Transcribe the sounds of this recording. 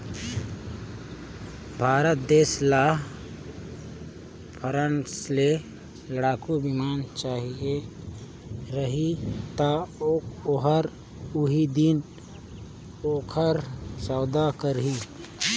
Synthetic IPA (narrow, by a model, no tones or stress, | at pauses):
bʱaːɾət̪̚d̪eːslaːɦ | pʰəɾənsle | ləɽaːkubɪmaːnt͡ʃaːɦie | ɾəɦit̪aoːkoɦəɾ | ʊɦid̪ɪn | oːkʰəɾsaːd̪akəɾɦi